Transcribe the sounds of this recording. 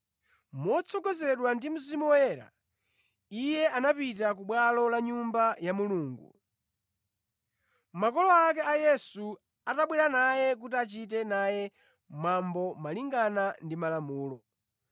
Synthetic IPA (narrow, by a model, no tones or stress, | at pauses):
mɔt͡sʰɔɡɔzɛɗwandim̩zimuwɔjɛːɾa̰ | ijɛʔanapitakuɓwalɔlaɲumbajamuluːŋɡṵ | makɔlɔakɛajɛsu | ataɓwiɾanajɛk̬utiat͡ʃit̬ɛnajɛ | mambɔmaliŋɡanandimalamuːlɔ